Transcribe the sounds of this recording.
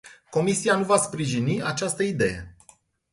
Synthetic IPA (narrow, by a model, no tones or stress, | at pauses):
ko̞misianuvaspɾiʒiniat͡ʃast̪əid̪e̞̰je̞̰